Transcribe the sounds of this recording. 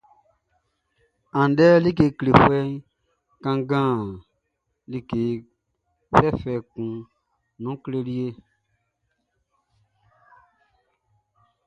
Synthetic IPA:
ã˨n˨dɛ˦li˦ke˧kle˨fɛ˦ | kã˧ŋɡãː˦˨ | li˦ke˨˦ | fɛ˦fɛ˧kũ˨ | nũ˨˦kle˧li˦e˦

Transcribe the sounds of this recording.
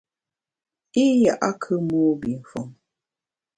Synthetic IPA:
i˦ja˨ʔa˦kʰɨ˦muː˦bi˨n̩˨fɔ˨ŋ

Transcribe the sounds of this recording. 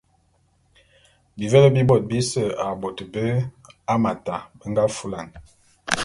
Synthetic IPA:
bi˨və˦lə˦bi˦bɔ˨t̚bi˦sə˨a˨bɔ˨tbə˦a˦ma˨ta˨bə˦ŋɡa˦fu˦la˨ŋ

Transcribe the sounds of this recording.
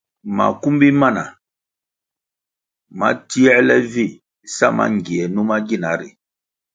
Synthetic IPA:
ma̰˨ku˦m˦bi˦ma˦˨na˨ | ma̰˦ti˦ɛ˦lɛ˦vi˦˨ | sa˦˨ma̰˦ŋɡi˨ɛ˨nũ˦ma˦ɡi˦˨na˨˦ɾi˨

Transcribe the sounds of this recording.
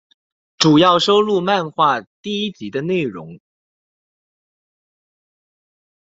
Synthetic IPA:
ʈ͡ʂu˨˩jɑ˥˩ʊʂo˥ʊlu˥˧ma˥˧nxwa˥˩˧t̪i˥˩i˥t͡ɕi˧˥d̪ə˧ne˥˩ɪɻʊ̰˧˥ŋ

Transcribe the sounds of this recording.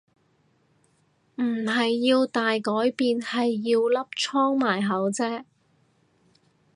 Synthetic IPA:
m̩˨˩ɦɐ˨jːiː˧wt̪aː˨jkɔː˨˥jpiː˨nhɐ˨jːiː˧wlɐ˥p̚t͡ʃʰɔː˥ŋmaː˨˩jɦɐ˨˥wt͡sɛː˥

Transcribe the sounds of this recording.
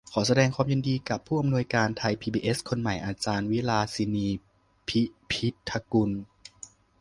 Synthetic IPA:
kʰɔː˩˦s̬a˧dɛː˧ŋkʰwaː˧mji˧ndiː˧ka˨˩pʰːuː˥˩ʔa˧mnu˧əjkaː˧nt̪ʰa˧jpʰiː˧biː˧ʔe˦˥skʰo˧nma˨˩jʔaː˧t͡ɕaː˧nwi˦˥laː˧si˧niː˧ | pʰi˦˥pʰi˦˥t̪ʰːa˧ku˧n

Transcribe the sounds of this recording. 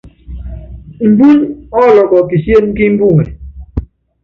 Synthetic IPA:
m̩˨bu˦ɲɔ˦lɔ˨kɔ˨ki˨sje˦mki˦m̩˦bu˦ŋɛ̰˨

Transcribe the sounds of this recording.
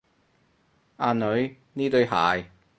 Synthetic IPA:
ʔaː˧nɵ˨˧˥ɥ | niː˥t̪ɵ˨˧ɥha̰ː˨j

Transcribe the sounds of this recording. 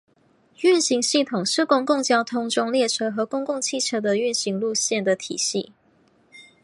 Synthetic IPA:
y˥˩nɕi˧˥ŋɕi˥˩t̪ʰʊ˨˩ŋʂɻ̩˥˩kʊ˥ŋkʊ˥˩ŋt͡ɕjɑ˥ʊt̪ʰʊ˥ŋʈ͡ʂʊ˥ŋljɛ˥˩ʈ͡ʂʰɤ˥xɤ˨˧˥kʊ˥ŋkʊ˥˧ŋt͡ɕʰi˥˩ʈ͡ʂʰɤ˥d̪ə˨y˥˩nɕi˧˥ŋlu˥˧ɕjɛ˥˩nd̪ə˩t̪ʰḭ˨˩ɕi˥˩˨

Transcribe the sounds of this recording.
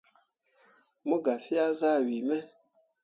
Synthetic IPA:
mo˦ɡa˨fi˦a˦za˦˨wi˨mɛ˦

